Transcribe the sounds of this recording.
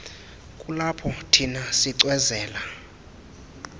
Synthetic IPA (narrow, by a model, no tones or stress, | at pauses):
kʼulapʰɔtʰinasiǀwɛzɛːla